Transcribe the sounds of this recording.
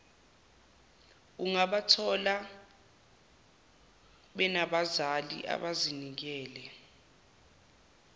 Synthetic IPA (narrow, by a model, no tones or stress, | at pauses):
uŋaɓatʰɔla | ɓɛnaɓazalḭʔa̰ɓazinik̬ɛːlɛ